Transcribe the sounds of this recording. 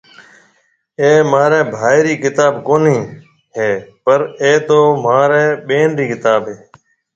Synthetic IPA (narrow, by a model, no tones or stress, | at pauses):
eːmaːɾɛ̃ːbʱaːiɾiːkɪt̪aːbkoːnĩː | ɦeːpəɾeːt̪oːmaːɾɛ̃ːɓeːnɾiːkɪt̪aːbɦeː